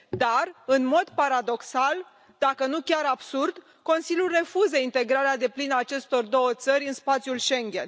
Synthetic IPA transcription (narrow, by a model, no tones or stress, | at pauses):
d̪arɨnmo̞d̪paɾad̪o̞ksal | d̪̥akənukʲaɾabsurd̪ | ko̞nsilʲjulre̞fuzəint̪e̞ɡɾaɾead̪e̞plinəaːt͡ʃe̞st̪o̞rd̪o̞wət̪səɾʲɨnspat̪sjulʃe̞ŋɡʲe̞̰n